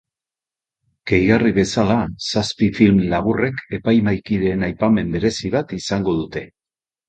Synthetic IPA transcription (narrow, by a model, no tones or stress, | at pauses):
ɡ̥e̞jɣariβe̞salasaspifilmlaβ̞ure̞ke̞pajmajkiɾe̞najpame̞mbe̞ɾe̞siβat̪isaŋɡo̞ðut̪e̞